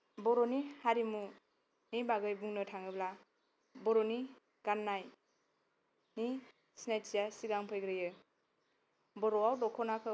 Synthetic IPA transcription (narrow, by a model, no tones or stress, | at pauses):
bɔɾɔnihaɾimu | nibaɡɯjbuŋnɯtʰaŋɯbla | bɔɾɔni | ɡ̥anːaj | ni | snajsijasiɡaŋpʰɯjɡɾɯjɯ | bɔɾɔawdɔkʰɔnakʰɯ